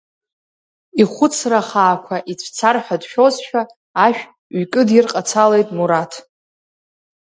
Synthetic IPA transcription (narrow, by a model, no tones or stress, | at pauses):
iχʷʊt͡sʰraχaːkʷʰaʔit͡sʷʰt͡sʰarħᶣadʃᶣo̞zʃᶣaː | ʃᶣ | ɥkʼɨdɪrqʼat͡sʰale̞jtʼmuɾatʰ